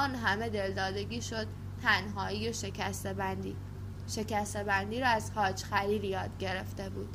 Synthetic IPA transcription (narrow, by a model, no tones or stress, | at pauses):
ɒːnɦæme̞d̪e̞ld̪ɒːd̪e̞ɟiːʃo̞d̪̥̚ | t̪ʰænɦɒːijeʃekʰæst̪bænd̪i | ʃe̞cæst̪e̞bænd̪iːɾɒːæzhɒːd͡ʒxæliːljɒːd̪ɟe̞ɾe̞ft̪e̞bṵːd̪̥